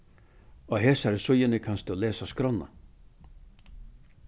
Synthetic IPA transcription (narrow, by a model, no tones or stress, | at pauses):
ɔɦeːsaɾsʊjɪnɪkʰanst̪ɔleːsaskɾɔnːa̰